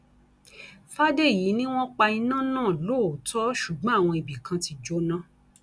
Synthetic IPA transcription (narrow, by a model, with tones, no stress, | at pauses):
fa˦de˦˨ji˨˦nĩ˦w̃ɔ̃˦k͡pa˧i˧nã˦˨nãː˦˨lo˦˨tʰɔ˦ʃu˨ɡ͡bɔ̃˦a˦˨w̃ɔ̃˧i˨bi˨kʰã˧ti˧d͡ʒo˦nã˦